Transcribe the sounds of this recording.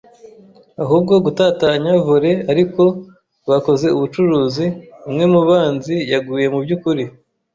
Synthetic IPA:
aɦuːb̚ɡo̞ɡutataɲavuɾe̞aɾiko̞ | βako̞ze̞uβut͡ʃuɾuːzimŋe̞muβaːnzijaɡuje̞mubɟukuɾi

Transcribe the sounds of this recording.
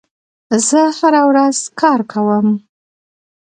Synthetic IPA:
zəhaɾawɾaz̥kʰɑɾkʰawəm

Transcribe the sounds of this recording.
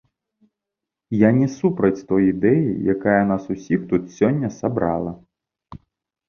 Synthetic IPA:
janʲɛsupɾɐt͡sʲt̪ɔjid̪ɛjḭjakajɐnasusʲixt̪ut̪sʲɔnʲːɐsabɾa̰lˠɐ

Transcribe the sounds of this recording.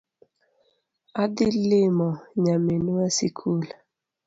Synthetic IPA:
adɪlɪmɔɲamenuasikʰula

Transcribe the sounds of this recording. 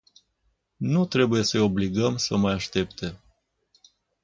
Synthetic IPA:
nut̪ɾe̞buje̞səo̞bliɡəmsəmajaʃt̪e̞pt̪ʰe̞

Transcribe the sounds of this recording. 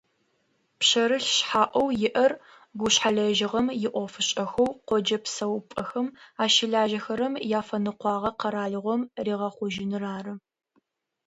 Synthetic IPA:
pɕɐɾɨɬɕħaːʔʷɔwjɪʔɐr | ɡʷʊɕħaɮɐʒɪʁɐmjɪʔʷɔfɨɕʼɐxɐwqʷɔd͡ʒɐpsɐwpʼɐxɐmaːʃɪɮaːʒɐxɐɾɐmjaːfɐnɨqʷɑːʁɐqɐɾaːɮɨʁʷɔmriːʁɐχʷʊʒɪnɨraːrɨ

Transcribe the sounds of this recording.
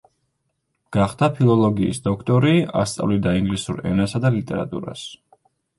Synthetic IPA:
ɡ̥aχd̪apʰilˠɔlˠɔɡḭːsd̪ɔkʰt̪ʼɔɾia̰st̪sʼa̰vlid̪aiŋɡlisuɾɛ̰nasad̪alit̪ʼɛɾa̰t̪ʼṵɾa̰s

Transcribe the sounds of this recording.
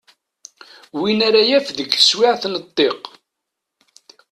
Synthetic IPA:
winaɾajæfðəkːə̥swɪʕθnət̪ˤːeq

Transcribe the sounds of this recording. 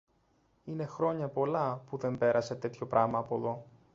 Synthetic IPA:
ine̞xɾo̞ɲɐpo̞lɐpuðe̞mbe̞ɾʔɐse̞t̪e̞t̪ço̞pɾʔɐmɐːpo̞ðo̞

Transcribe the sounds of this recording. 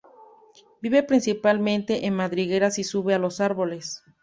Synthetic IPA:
biβe̞pɾinsipalmẽ̞nt̪e̞ʔenmaðɾiɣe̞ɾasisuβe̞alo̞saɾβo̞les

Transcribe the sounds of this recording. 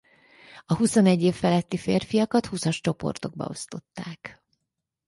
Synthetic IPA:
ɒhuso̞nɛɟːeːfːɛlɛt̪ːifeːrfijɒkɒt̪husɒʃt͡ʃo̞po̞̰rt̪o̞ɡ̚bɒ̰o̞̰st̪o̞t̪ːaːk

